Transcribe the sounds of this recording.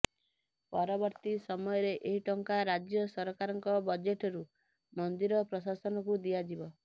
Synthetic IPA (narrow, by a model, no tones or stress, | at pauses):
pɔɾɔbɔɾt̪isɔmɔjɔɾeʔeɦiʈɔŋkaɾad͡ʒjɔsɔɾɔkaɾɔŋkɔbɔd͡ʒeʈɔɾu | mɔnd̪iɾɔpɾɔsasɔnɔkud̪iad͡ʒibɔ